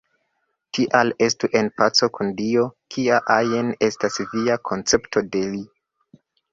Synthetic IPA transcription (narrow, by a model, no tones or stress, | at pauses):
tʰiʔale̞stuʔe̞npat͡so̞kundio̞kʰiaʔajene̞stasviakʰo̞nt͡se̞pto̞de̞li